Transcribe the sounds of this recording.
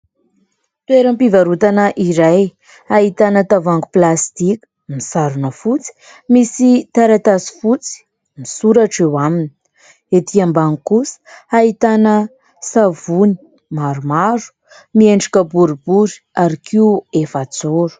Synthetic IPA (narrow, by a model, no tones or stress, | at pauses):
t̪weɾəmpivaɾut̪anəʔiɾaj | aɦit̪anət̪avaŋɡuplast̪iku̥misaɾunəfut͡si̥ | misit̪aɾat̪asi̥fut͡si̥ | misuɾaʈ͡ʂewamini | et̪iambaŋkusə̥ait̪anə | savuni̥ | maɾumaɾu̥ | mieɳɖ͡ʐikəbuɾibuɾi̥ | aɾikʰiefat͡soɾu̥